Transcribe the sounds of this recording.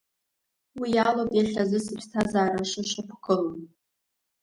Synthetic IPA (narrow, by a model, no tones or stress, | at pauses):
wijalopʼjaɬʲazɨsɨpʲtʰazaːɾaʂɨʃɨpʰkʰʼɨlon